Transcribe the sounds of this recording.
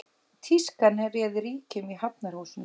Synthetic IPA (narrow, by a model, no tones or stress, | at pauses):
t̪ʰiskanɛrjɛðɾiːcɪmiɦap̚naɾ̥howsʏn